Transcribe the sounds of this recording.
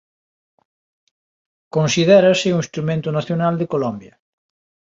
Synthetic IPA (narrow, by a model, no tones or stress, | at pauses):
kõnsiðɛɾɐsɪuŋist̪ɾumẽnt̪ʊnaθjonald̪ekolɔmbjɐ